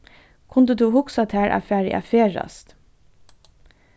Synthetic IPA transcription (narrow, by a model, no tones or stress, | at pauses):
kʰʊnd̪əd̪ʉːhʊksɑt̪ʰhæːɹʔæ̰fæːɾɪ̰ʔæ̰feːɹɑ̰st̪